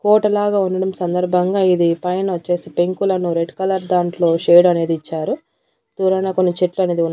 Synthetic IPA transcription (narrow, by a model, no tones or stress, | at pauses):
kɔːʈɐlaːɡaːunːɐɽɐmsɐnd̪ɐɾbʱɐŋɡaːid̪ipɐjɐnɐt͡ʃːe̞ːsipe̞ŋkulɐnuɾeɖkɐlɐɾd̪aːɳʈlo̞ːʃeːɽɐne̞ːd̪it͡ʃːaːɾu | t̪uːɾɐnaːko̞nːit͡ʃeʈluɐne̞ːd̪iun